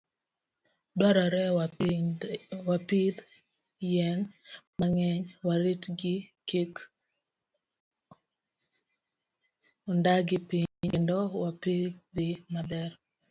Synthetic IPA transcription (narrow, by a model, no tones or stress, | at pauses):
dɔɾɔɾɛ | wapid̪ | jɛnmaŋɛɲwaɾitɡɪkek | ondaɡɪpiɲendɔwapiɡd̪ɪmadɛɾ